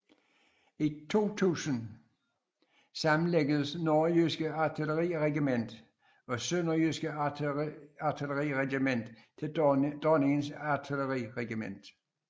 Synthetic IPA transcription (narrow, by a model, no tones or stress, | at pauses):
it͡sʰo̝̰ːt͡sʰṵːsən | sɑ̈mn̩leɡ̥əðˠəsnoːjøsɡ̥əɑt͡sʰiləʁḭːʁɛɡ̥imen̰d̥ | ɒ̽sønɐjøsɡ̥ə | ɑt͡sʰiləʁḭːʁɛɡ̥imen̰d̥t͡sʰe̝ld̥ɔnɪŋənsɑt͡sʰiləʁiːʁɛɡ̥imen̰d̥